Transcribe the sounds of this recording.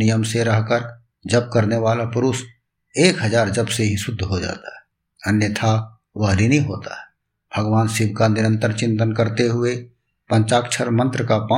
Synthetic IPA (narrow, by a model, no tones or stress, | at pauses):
ijəmseɾɐɦkəɾ | d͡ʒəb̚kəɾneʋaːlapʊɾʊs | eːkɦəd͡ʒaːɾd͡ʒəbseɦisʊd̪ʱːɦod͡ʒa̰ːt̪aɦɛ | ənjət̪ʰa | ʋəɦlinĩɦo̰ːt̪a̰ɦɛ | b̥ʱəɡʋaːnsɪbkanɪɾə̃nt̪əɾt͡ʃɪ̃nt̪ənkəɾt̪eɦʊe | pə̃nt͡ʃaːkt͡ʃʰəɾmə̃nt̪ɾəkapãː